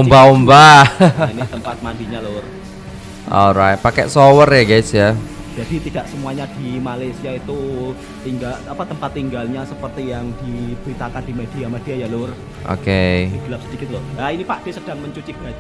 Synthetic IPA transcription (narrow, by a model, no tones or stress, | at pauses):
umbaumbainit̪əmpat̪̚mandiɲalʊr | ɔ̰lɾaɪt̪̚pakɛ̰ʔsowərjaɡajsjḁ | d͡ʒ̥adit̪id̥aʔsəmuaɲad̥imalasiait̪u | t̪iŋɡalapat̪əmpat̪ːiŋɡalɲasəpərt̪ijaŋd̥ib̥əɾit̪akand̥i̤med̥iamed̥iajalʊr | ʔo̰keiɡ̥əlap̚səd̥ikɪt̪̚lɔhainipaʔd̥esəd̥a̤ŋməɲt͡ʃut͡ʃib̥ad͡ʒ